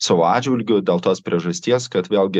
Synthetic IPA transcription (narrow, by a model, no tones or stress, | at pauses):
sɐːʋoːɑːd͡ʒʲʋʲɪlʲɡʲʊd̪ʲeːlˠt̪oːspʲɾʲiɛʒɐsʲt̪ʲiɛskɐt̪ʋʲeːlʲˠɡʲɪ